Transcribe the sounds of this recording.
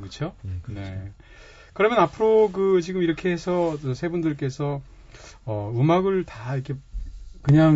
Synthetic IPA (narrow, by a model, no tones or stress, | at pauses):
kɯt͡ɕʰone̞̰ | kɯɾʌmjʌnapʰɯɾokɯt͡ɕiɡɯmiɾʌkʰe̞ɦesʰʌɯsʰe̞bundɯɭk͈e̞sʰʌ | ʌɯmaɡɯɭtaikʰe̞kɯɲaŋ